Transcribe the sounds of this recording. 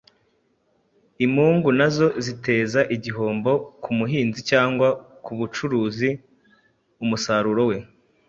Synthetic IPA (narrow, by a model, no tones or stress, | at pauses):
imhuːŋɡunazo̞zite̞ːzaʔiɟiɦo̞ːmbo̞kumuɦiːnzicaːŋɡwakuβut͡ʃuɾuːzi | umusaɾuɾo̞we̞